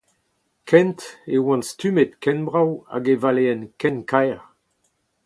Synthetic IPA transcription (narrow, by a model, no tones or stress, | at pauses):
kʰɛ̃nt̪ewɑ̃nst̪ymet̪kɛnbʁawa̰ɡevaleɛnkɛ̃nkajʁ